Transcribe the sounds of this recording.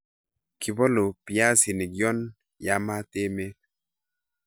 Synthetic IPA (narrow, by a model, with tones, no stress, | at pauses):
kɪ˨bɔ˦lo˨pi˨a˦si˨ni˨ɡjɔ˦n | ja˨˦ma˦te˦me˦